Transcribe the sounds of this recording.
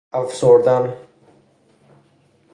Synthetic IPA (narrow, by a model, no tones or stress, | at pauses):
afsoɾd̪an